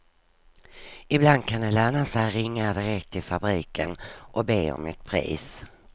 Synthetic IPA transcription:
ɪbland̪̚kʰanɛlɛɳasɛjɾɪŋːad̪ɪɾɛkt̪ʰɪlfabɾiːkʰə̰nʔɔbeːɔ̰mːɪt̪̚pʰɾḭːs

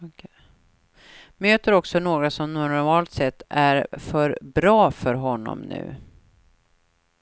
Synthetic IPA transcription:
møːt̪əɾɔksɔnoːɡɾasɔmnɔɾɾmɑːlt̪sɛt̪ːæɾfœɾbɾɑːfœɾɦɔnːɔ̰mnʉ̟̰ː

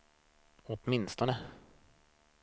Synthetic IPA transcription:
ɔt̪mɪnst̪ɔnə

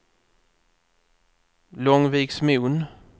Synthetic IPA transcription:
lɔŋviːksmʉːn

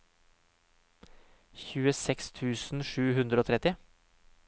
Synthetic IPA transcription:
çʉːəsɛkst̪ʰʉːsn̩ʂʉːhʉnd̪ɾəoːt̪ʰɾɛt̪ɪ

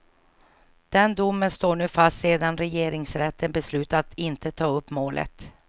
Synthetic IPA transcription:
d̪̥ɛnd̪ʊmːənst̪oːɳʉ̟ːfast̪seːd̪anɾɛjeːɾɪŋsɾɛt̪ːənbɛslʉ̟ːt̪at̪ɪnt̪ət̪ʰɑːɵpːmoːlʔə̰t̪

